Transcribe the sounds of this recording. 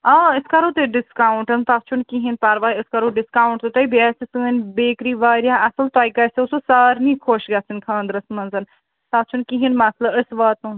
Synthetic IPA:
aːɪskɐɾoːt̪eɖɪskaːuɳʈɐnt̪at̪̚t͡ʃʰunkiɦĩnpaɾʋaːiɪskɐɾoɖɪskaːwɳʈt̪ɨt̪ɐibiaːsisɨːnʲbeːkɾiʋaːɾʲjãʔɐsɐlt̪aːjkɐsesusaːɾnĩkʰoːʃɡaːsinkʰãːnd̪ɾɐsmɐnzɐn | t̪at̪̚t͡ʃʰunkiɦinmat̪ʰlɐbɪsʋaːt̪ũ

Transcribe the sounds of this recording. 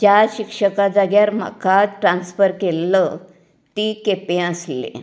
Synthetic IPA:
d͡ʑjaɕikʂəkad͡zaɡjaɾm̤a̰kaʈɾansfəɾkelːə | t̪iːkepẽəslḛ

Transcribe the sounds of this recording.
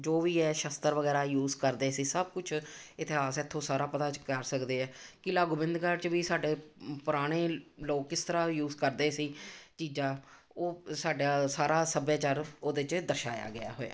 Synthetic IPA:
d͡ʒoːʋiːɛːʃəst̪əɾʋəɡɛːɾaːjuːzkəɾd̪eːsiːsəb̚kʊt͡ʃʰɪt̪ɪɦaːsɪt̪ʰːõːsaːɾaːpət̪aːt͡ʃkəɾsəkd̪eːɛːkɪlaːɡuːbɪ̃nd̪kəɾt͡ʃʋiːsaːɖeːpʊɾaːɽ̃eːloːkkːɪst̪əɾaːjuːzkəɾd̪eːsiːt͡ʃiːd͡ʒãː | oːsaːɖaːsaːɾaːsəbjaːt͡ʃaɾoːd̪ɪt͡ʃd̪əɾʃa̰ːja̰ːɡɪa̰ːɦo̰ːa̰ː

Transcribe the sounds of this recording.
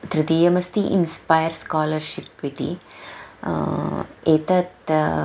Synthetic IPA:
t̪ɾɨt̪iːjɐmɐst̪iʔḭnspajɐɾskaːlɐɾʃipʋit̪ḭ | eːt̪ɐt̪

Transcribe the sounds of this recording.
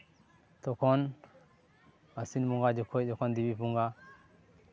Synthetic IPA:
tokon | asinmuŋɡad͡ʒokʰojɗokondibipuŋɡa

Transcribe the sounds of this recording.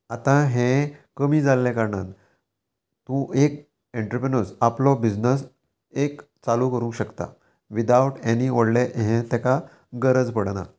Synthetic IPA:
at̪ãɦẽkəmiːd͡zalːɛ̃kaɾɳan | t̪ũʔek̚ | ẽɳʈɾəpɾenəɾsaplɔbid͡znəs | ek | t͡saluːkəɾũŋkɕəkt̪a̰ | ʋid̪auʈenioɽleʔɦẽt̪ɛka | ɡəɾəd͡zpəɽna̰

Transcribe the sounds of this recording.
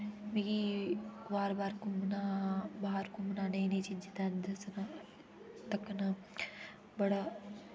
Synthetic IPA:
miɡiʋaːɾbaːɾkumnaːbaːɦɐɾkumnaːnɐjnet͡ʃid͡ʒɐt̪aːnd̪ɐsɐnɐ | t̪ɐkːɐnɐ | bɐɽɐ

